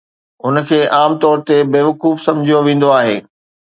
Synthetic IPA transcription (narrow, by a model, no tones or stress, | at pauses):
ʊn̆kʰeːʔaːmt̪ɔːɾt̪ebeːʋɐkuːfsɐ̃md͡ʑʱijoʋẽːn̆d̪oaːɦeː